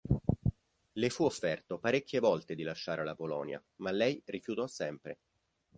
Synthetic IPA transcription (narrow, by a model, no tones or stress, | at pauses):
lefuofːɛrt̪opaɾekʰʲːevɔlt̪ed̪ilaʃːaːɾelapolɔ̰ːnja̰malːɛjrifjut̪ɔsːɛmpɾe